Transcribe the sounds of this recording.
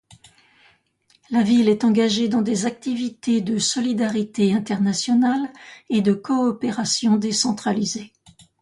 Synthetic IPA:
lavilɛt̪ɑ̃ɡaʒed̪ɑ̃d̪ezak̚t̪ivit̪ed̪əsɔlid̪aʁit̪eɛ̃t̪ɛʁnasjɔnaled̪əkɔːpeʁasjɔ̃d̪esɑ̃t̪χalize

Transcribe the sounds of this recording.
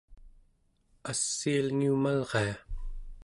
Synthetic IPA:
asːialŋiumalʁea

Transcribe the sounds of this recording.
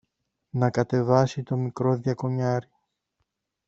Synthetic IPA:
nɐkɐt̪e̞vɐsit̪o̞mikɾo̞ðjɐko̞ɲɐɾi

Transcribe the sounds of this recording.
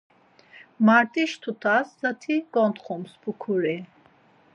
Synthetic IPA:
maɾt̪ʼiʃt̪ʰut̪ʰaszat̪ʰiɡ̥ɔnt̪χumsbukʰuɾi

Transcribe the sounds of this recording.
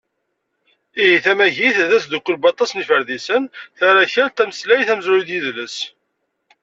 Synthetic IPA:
iɦiθæmæʝiθðæsd̪ukʷːəlbɑt̪ˤːɑsnifəɾðisənθæɾæçəɾt̪æməslæjθæməzɾid̪jiðləs

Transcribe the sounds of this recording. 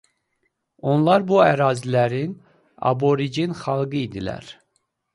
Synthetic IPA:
o̞nlˠɑɾbuæɾɑːzilæɾin | ɑ̰bo̞ɾid͡ʒinχɑlˠɡɯid̪ilæ̰ɾ

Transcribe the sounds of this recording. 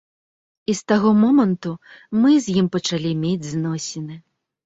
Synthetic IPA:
ist̪aɣɔmɔmɐnt̪umɨzʲjimpɐt͡ʂalʲimʲed͡zʲznɔsʲɪnɨ

